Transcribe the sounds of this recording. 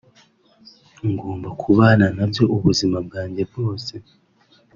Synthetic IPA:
ŋɡoːmbakʰuβaːnanabjo̞ʔuβuzimab̚ɡaːɲɟe̞b̚ɡo̞ːse̞

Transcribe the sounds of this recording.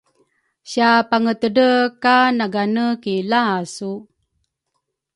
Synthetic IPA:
ɕapaŋət̪ədəkanaɡanəkilasu

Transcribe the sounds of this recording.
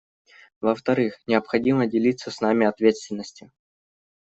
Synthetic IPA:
vəft̪ɐɾɨxnʲɪəpxɐdʲimədʲɪlʲit̪səsʲnamʲɪɐt̪vʲet̪st̪vʲɪnːəsʲtʲɪ

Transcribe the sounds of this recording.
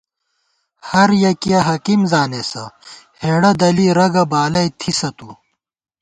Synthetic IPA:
hɐɾjɐkijɐɦɐkimzaːnesɐheːɽɐd̪ɐliɾɐɡɐbaːlɐjt̪ʰisɐt̪u

